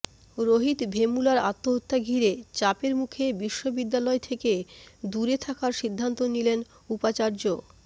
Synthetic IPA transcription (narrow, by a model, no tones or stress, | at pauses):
ɾoɦit̪bʱemulaɾa̰t̪ːoɦot̪ːaɡʱiɾet͡ɕapeɾmukʰebiʃːobid̪ːalɔet̪ʰeked̪uɾet̪ʰakaɾʃid̪ʱːant̪onilen | upat͡ɕaɾd͡ʑo